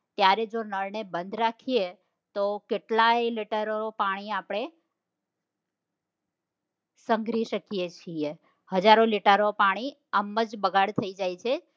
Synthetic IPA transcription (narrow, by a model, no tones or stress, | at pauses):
t̪jaɾed͡ʒonəɾnebənd̪ɾakʰije | t̪okeʈlajliʈəɾoopaɽ̃iapɽ̃e | səŋɡɾiʃəkijet͡ʃʰie | həd͡ʒaɾoliʈəɾopaɽ̃i | əməd͡ʒbəɡaɽt̪ʰəid͡ʒajt͡ʃʰe